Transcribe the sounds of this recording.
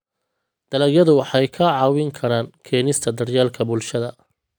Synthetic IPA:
d̪̥ɐlɐɣjɐðʊwɑħɑjkʰɐʕɑːwɪŋkʰɐɾaːnkʰɛːnɪst̪ʰɐd̪ɐrjaːlkʰɐbʊlʃɐðɐ

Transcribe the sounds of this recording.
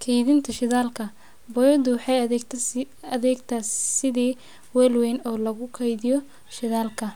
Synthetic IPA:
kʰɛjðɪnt̪ʰɐʃɪðaːlkʰɐ | bɔjɔd̪ʊwɑħɑj | ɐðɛːɡt̪ʰaːsɪðiː | wɛːlwɛnɔːlɐɣʊkʰɛjðɪjɔ | ʃɪðaːlkʰɐ

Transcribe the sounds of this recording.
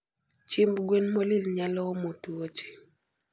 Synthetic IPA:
t͡ʃimbɡwenmolilɲalɔmotuwot͡ʃi̥

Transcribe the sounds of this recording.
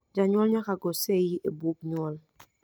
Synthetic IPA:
d͡ʒaɲwɔlɲakaɡɔsejiʔebuk̚ɲɔl

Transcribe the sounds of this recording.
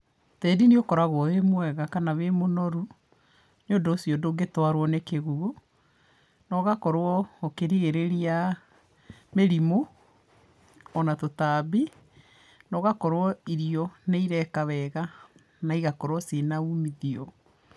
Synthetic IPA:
tɛːdiniokɔɾaɣwɔwemwɛɣakanaβemonɔɾu | noːndoosiɔdoɡetwaɾwɔnekeɣuo | nɔɣakɔɾoɔokeɾiɣeɾeɾia | meɾimo | natotaːbi | nɔɣakɔɾɔiɾiɔneiɾɛkawɛɣa | naiɣakɔɾwɔsenaumiðiɔ

